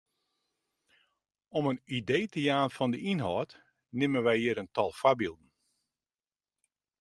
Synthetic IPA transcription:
ɔmənideːtəjaːnfɔndəinɦɔːt | nɪmənʋɛjiəɾəntɔlˠfwabilˠdn̩

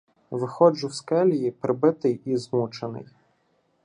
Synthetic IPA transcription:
ʋɪxɔd͡ʒʊwskɛlʲijipɾɪbɪt̪ɪjizmut͡ʃenɪ̰j

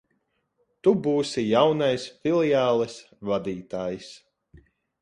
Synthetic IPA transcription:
t̪ubuːsijawnajsfilˠiaːlˠɛs | vad̪iːt̪aːjis

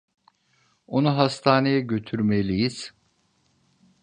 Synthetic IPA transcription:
onuɦast̪ʰaːne̞jɛɟø̞t̪ʰyɾmelʲijiz̥

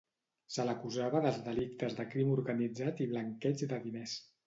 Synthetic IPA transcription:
sələkuzaβəðəlˠzdəlik̚t̪əzðəkɾimuɾɣənid͡zat̪iβləŋkɛd͡ʒd̪əðinɛs

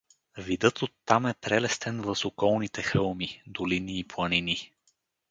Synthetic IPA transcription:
vid̪ɤt̪ot̪ːamɛpɾɛlɛst̪ɛnvəsokɔlˠnit̪ɛxɤlˠmid̪oliniːplˠɐnini

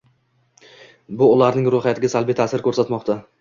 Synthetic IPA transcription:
bʊʊlaɾnɪŋɾoχjat̪ʰɪɡʲasalˠbɪjt̪ʰaːsɪɾkʰɵɾsat̪mɒqt̪a

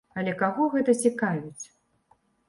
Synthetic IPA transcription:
ɐlʲɛkaɣɔɣɛt̪ɐt͡sʲikavʲit͡sʲ

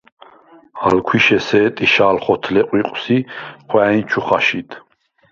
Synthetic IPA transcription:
a̰lkʰwiʃɛsɛːt̪ʼiʃaːlχɔt̪ʰlɛqʼwiqʼsiχwɛːint͡ʃʰuχaʃit̪ʰ

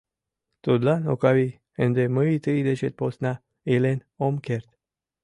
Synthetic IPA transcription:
t̪od̪lanokavi | ɨnd̪emɨit̪ɨjd̪et͡ʃet̪̚posna | elen | omkeɾt̪

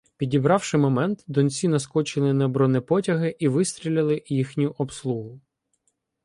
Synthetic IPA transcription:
pʲidʲibɾɑwʃɪmɔmɛnt̪d̪ɔnt͡sʲinɐskɔt͡ʃɪlˠɪnɐbɾɔnɛpɔtʲɐɦɪʔiʋɪst̪ʲɾʲilʲɐlˠɪjixnʲʊʔɔpslˠuɦʊ

